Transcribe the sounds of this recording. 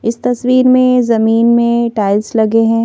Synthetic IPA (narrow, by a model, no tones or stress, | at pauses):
ɪst̪ɐswiːɾmẽzɐmiːnmẽʈaːɪlslɐɡeɦɛ̃ː